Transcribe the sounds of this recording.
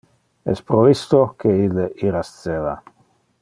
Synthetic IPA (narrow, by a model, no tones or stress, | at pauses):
ɛ̰spɾovist̪okeileiɾast̪seːva̰